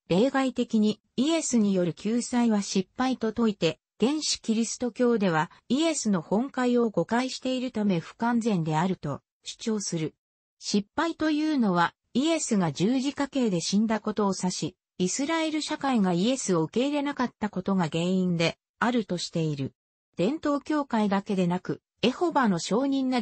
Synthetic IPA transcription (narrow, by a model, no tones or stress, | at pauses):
ɾe̞ːɡait̪e̞kʲiɲ̟i | ie̞sɨɲ̟ijo̞ɾɯ̟kʲʰɨːsaiβaɕipːait̪o̞t̪o̞it̪e̞ | ɡ̥ẽ̞ɰ̃ɕi̥kʲiɾʲisɨ̥t̪o̞kʲo̞ːd̪e̞β̞aie̞sɨno̞hõ̞ŋkaio̞ɡo̞kaiɕi̥t̪e̞iɾɯ̟t̪ame̞ɸɯ̟̥kãnzẽ̞nd̪e̞aɾɯ̟t̪o̞ | ɕi̥t͡ɕo̞ːsɨɾɯ̟ | ɕipːait̪o̞jɯːno̞βa | ie̞sɨɡad͡ʑɨːʑikake̞ːd̪e̞ɕĩnd̪ako̞t̪o̞ːsaɕi | isɨɾae̞ɾɯ̟ɕakaiɡaie̞sɨo̞ɯ̟ke̞iɾe̞nakat̪ːako̞t̪o̞ɡaɡẽ̞ːĩnd̪e̞ | aɾɯ̟t̪o̞ɕi̥t̪e̞iɾɯ̟ | d̪̥ẽ̞nt̪o̞ːkʲo̞ːkaid̪ake̞d̪e̞nakɯ̟ | e̞ho̞bano̞ɕo̞ːɲ̟ĩnːa